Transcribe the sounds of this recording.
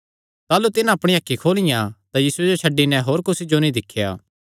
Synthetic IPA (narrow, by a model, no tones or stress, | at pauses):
t̪aːlut̪ɪnãɐpɽ̃iɐkʰːikʰoːlɪjãt̪ajiːsued͡ʒot͡ʃʰɐɖːinɛɦoːɾkʊsid͡ʒonĩd̪ɪkʰːja̰ː